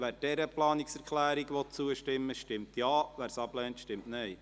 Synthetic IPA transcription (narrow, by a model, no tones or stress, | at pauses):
ʋæːɾd̥ɛɾəplɑːniksɛɾkʰlæːɾiɡʋɔt̚t͡suəʃtɪmːəʃtɪmtjɑːʋæːɾsɑblɛːntʃtɪmtnɛɪ